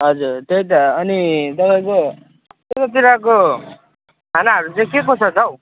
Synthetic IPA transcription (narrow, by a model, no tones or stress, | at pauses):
ɦʌd͡zuɾt̪ejt̪ʌʌnit̪ʌpaij̃ko | t̪etʌt̪iɾako | t̪anaɦʌɾut͡sãĩkekosat͡sʌw